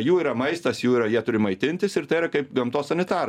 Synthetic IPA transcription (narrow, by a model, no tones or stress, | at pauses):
juːiːɾɐmɐɪst̪ɐsjuːiːɾɐjiɛt̪ʊɾʲɪmɐɪt̪ʲɪnʲt̪ʲɪsɪrt̪ɐɪiɾɐkɐɪpɡɐmt̪oːsɐnʲɪt̪ɑːɾ